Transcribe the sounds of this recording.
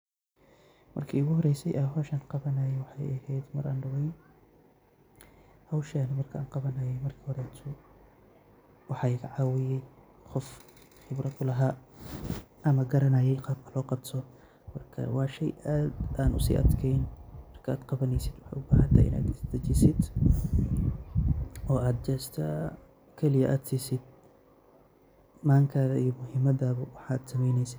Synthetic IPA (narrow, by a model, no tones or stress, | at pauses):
mɐ̰rkʰiʊɣʊhɔɾɛjsɛjʔɐɦɔːʃaːnqɑβɐnɐjɛwɑħɑjɐhɛjd̪mɐɾʔaːnɖɐwɛjn | hɐwʃanɐmɐrkʰɐʔa̰ːnqɑβɐnɐjɛjmɐrkʰihɔɾɛt̪ʰʊ | wɑħɑːɪɣɐʕɑːwɪjɛj | qɔf | χɪbɾɐd̪ʊlɐɦaː | ʔɐmɐɡɐɾɐnɐjɛjqɑːb̚kʰɐ̥lɔːqɑbt̪ʰɔ | mɐrkʰɐ̰waːʃɛjʔad̪ʔaːnʔʊsḭʔɐ̰d̪kʰɛjnmɐrkʰɐaːd̪qɑβɐnɛjsɪd̪wɑħa̰jʊbaːhɐnt̪ʰɐ̰ʔɪ̰na̰ːd̪ɪsd̪ɐd͡ʒɪsɪd̪ | ʔɔːʔaːd̪̚d͡ʒɛːst̪ʰɐ | kʰɛlɪjɐʔaːd̪sɪsɪd̪̚ | maːŋkʰaðɐijɔmʊɦɪmːɐdaːbɐwɑħaːd̪sɐmɛjnɛjsɪ̥